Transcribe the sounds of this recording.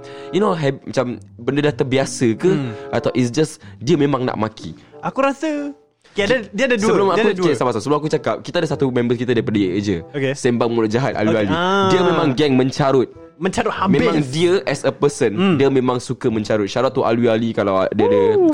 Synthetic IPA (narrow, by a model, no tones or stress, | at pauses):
junoɦɛmat͡ʃambəndədat̪əbiasəkəat̪awʔitsd͡ʒasdiəmẽmãŋna̰ʔmakʰḭakuɾasə | kadiəadəsəbəlumauesamasamsəbəlʊmakut͡ʃakap̚kit̪adəsat̪umɛ̃mbəskit̪adaɾipadajeʔəd͡ʒəokesɛmbaʔ̚mulʊʔd͡ʒaɦat̪̚a̰luialiddiəmemãŋɡɛŋmə̃ɲt͡ʃaɾʊt̪̚ | mə̃ɲt͡ʃaɾʊt̪̚hamẽmãŋdiəʔɛsəpəsəndiəmẽmãŋsukəmə̃ɲt͡ʃaɾʊt̪̚ʃaɾat̪ːuʔa̰luialikalawdiəadə